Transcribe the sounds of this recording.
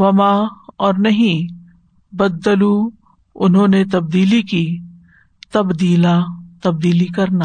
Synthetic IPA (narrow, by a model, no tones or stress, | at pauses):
ʋɐmaɔːɾnɐɦĩ | bɐd̪ːəlu | ʊnɦõnet̪ɐb̚d̪iːliki | t̪ɐbd̪iːlat̪ɐb̚d̪iːlikɐɾnaː